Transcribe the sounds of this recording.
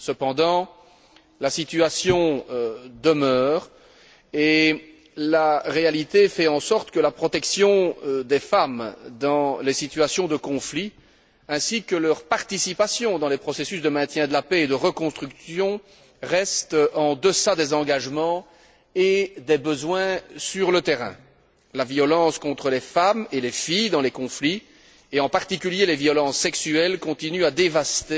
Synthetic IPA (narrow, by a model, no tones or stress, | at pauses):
səpɑ̃d̪ɑ̃ | lasit̪yasjɔ̃ | d̪əmœːʁ | e | laʁealit̪efɛɑ̃sɔʁt̪kəlapχɔt̪ɛksjɔ̃d̪efamd̪ɑ̃lesit̪yasjɔ̃d̪əkɔ̃fli | ɛ̃sikəlœʁpaʁt̪isipasjɔ̃d̪ɑ̃lɛpχɔsesysd̪əmɛ̃t̪jɛ̃d̪əlapɛːd̪əʁəkɔ̃st̪χyksjɔ̃ | ʁɛst̪ɑ̃d̪əsad̪ezɑ̃ɡaʒmɑ̃ | ed̪ebəzwɛ̃syʁlət̪eʁɛ̰̃ | lavjɔlɑ̃skɔ̃t̪χəlefamelefijd̪ɑ̃lekɔ̃fli | eɑ̃paʁt̪ikʲyljelevjɔlɑ̃sːɛksyɛlkɔ̃t̪inyad̪evast̪e